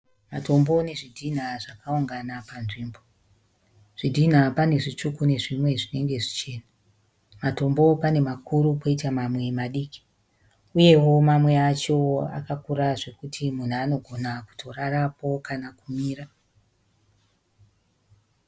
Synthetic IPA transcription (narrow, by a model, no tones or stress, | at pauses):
mato̞mbo̞ne̞ʐidʱin̤aʐakauŋɡanapanʐimbo̞ | ʐ̥idʱin̤apane̞ʐit͡ʂukune̞ʐimwe̞ʐine̞ŋɡe̞ʐit͡ʃe̞ːna | mato̞mbo̞pane̞makuɾupoitamamwe̞maɗiːki̥ | uje̞wo̞mamwe̞at͡ʃo̞a̰kakuɾaʐe̞kutʰimun̤uano̞ɡʱo̞naku̥tʰo̞rarapo̞kanakumiːra